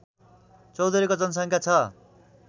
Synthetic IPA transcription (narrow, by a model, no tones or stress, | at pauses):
t͡sʌwd̪ʌɾikod͡zʌnʌs̬ʌŋkʰjat͡sʰʌ